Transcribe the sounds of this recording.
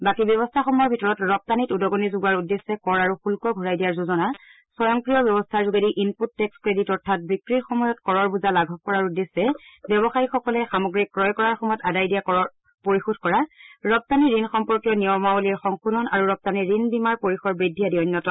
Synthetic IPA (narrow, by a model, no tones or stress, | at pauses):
bakibjɔbɔstʰaxɔmɔɹbʱitɔɹɔtɹɔp̚tanitudɔɡonizʊɡaɹudːesːɛkɔɹaɹuxulkɔɡʱuɹajdijaɹzuzɔna | sɔjɔŋkɹijɔbjɔbɔstʰaɹzuɡediʔinputːɛkskɹeditɔɹtʰat̚bikɹitxɔmɔjɔtkɔɹɔɹbuzalaɡʱɔk̚kɔɹaɹudːesːɛbjɔβɔxajixɔkɔlɛxamɔɡɹikkːɹɔjkɔɹaɹxɔmɔjɔtadajdijakɔɔ | poɹixudʱkɔɹaɹɔp̚taniɹinxɔmpɔɹkijɔnijɔmaoliɹxɔŋxudʱɔnaɹuɹɔp̚taniɹinbimaɹpoɹixɔɹbɹidʱːijadiɔnjɔtɔ